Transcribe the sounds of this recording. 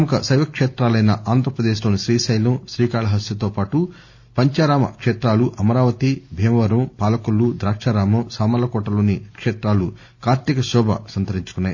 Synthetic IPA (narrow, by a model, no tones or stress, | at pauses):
ɐmɐkɐsɐjʋɐkʂeːt̪ɾaːlɐjnɐʔaːnd̪ʱɾɐpɾɐd̪eːʃlo̞ːniʃɾiːsɐjlɐmʃɾiːkaːɭɐɦɐsjɐt̪oːpaːʈu | pɐɲt͡ʃaːɾaːmɐ̰kʂeːt̪ɾaːluʔɐmɐɾaːʋɐt̪ibʱeːmɐʋɐɾɐmpaːlɐkulːud̪ɾaːkʂaːɾaːmɐmsaːmɐlɐkɔːʈɐlo̞ːnikʂeːt̪ɾaːlu | kaːɾt̪ikɐʃɔːbʱɐ̰sɐnt̪ɐɾiɲt͡ʃu̥kunːaːji